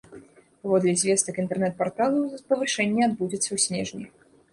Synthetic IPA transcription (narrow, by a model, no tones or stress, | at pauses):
pavɔd̪lʲɛzʲvʲɛst̪ɐkint̪ɛrnɛt̪̚part̪alˠupɐvɨʂɛnʲːɛad̪̚bud͡zʲɛt̪sːɐwsʲnʲɛʐnʲi